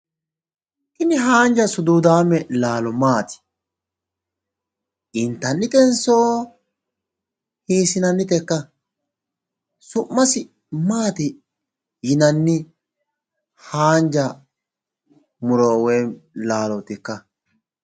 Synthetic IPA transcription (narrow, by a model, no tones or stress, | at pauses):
ɪnɪɦaːnd͡ʒɐsʊd̪uːd̪aːmːɛlaːlɔmaːt̪ɪ̥ | ʔɪnt̪ːɐnːɪt̪ɛnsoː | hiːsɪnɐnːɪt̪ɛkːɐ | sʊmːɐsɪ | maːt̪ɪ | jɪnɐnːɪ | haːnd͡ʒɐ | mʊɾoːweːlaːlɔt̪ɪkːɐ